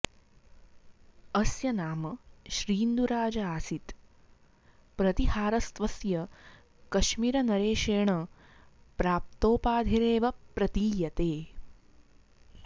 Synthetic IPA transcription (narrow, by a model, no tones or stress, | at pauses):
ɐsjɐnaːmɐʃɾiːnd̪uɾaːd͡ʒɐaːsit̪ | pɾɐt̪iɦaːɾɐst̪ʋɐsjɐ | kɐʃmiːɾɐnɐɾeːʃeːɳɐ | pɾaːp̚t̪oːpaːd̪ʱiɾeːʋɐpɾɐt̪iːjɐt̪eː